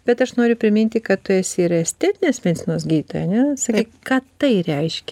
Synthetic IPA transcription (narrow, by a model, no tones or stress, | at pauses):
b̥ʲɛt̪ɐʃnoːɾʲʊpʲɾʲɪmʲinʲt̪ʲɪkɐt̪t̪ʊɛsʲiɾɐɛsʲt̪ʲɛːt̪ʲɪnʲeːsmʲɛd̪ʲɪt͡sʲɪnoːsɡʲiːt̪o̰ːjɛɐnʲɛsɐkʲiːkkɑːt̪ɐɪɾʲɛɪʃʲkʲɛ